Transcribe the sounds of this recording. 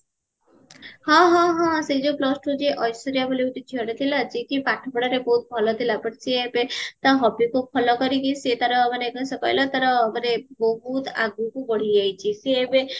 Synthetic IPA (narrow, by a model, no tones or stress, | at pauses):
hɔ̃ɦɔ̃ɦɔ̃seid͡ʒoplɔsʈud͡ʒeʔɔjsʈɔɾijabʱɔliut̪it͡ʃʰiɔɽet̪ʰilad͡ʒeʈipaʈʰɔpɔɽaɾebɔɦut̪̚bʱɔlɔt̪ʰilapɔɽseebet̪aɦɔbikupʰɔlɔkɔɾikiset̪aɾɔmanekɔsɔkɔ̰jlɔt̪aɾɔmanebɔɦut̪a̰ɡũkubɔɽ̤id͡ʒajt͡ʃʰiseːbe